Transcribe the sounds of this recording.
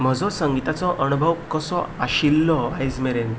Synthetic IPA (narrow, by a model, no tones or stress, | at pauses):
m̤əd͡zɔsəŋɡit̪at͡sɔʔənubʱəʋkəsɔaɕilːɔajd͡zmeɾen